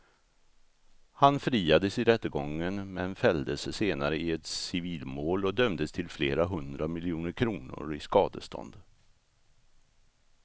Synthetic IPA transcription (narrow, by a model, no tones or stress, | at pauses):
hanfɾiːad̪əsɪɾɛt̪ːəɡɔŋːənmɛnfɛld̪əsseːnaɾəɪɛt̪sɪviːlmoːlɔd̪œmd̪əst̪ʰɪlfleːɾaɦɵnd̪ɾamɪljuːnəɾkʰɾuːnʊ̰ɾɪskɑːd̪ə̰st̪ʰɔ̰nd̪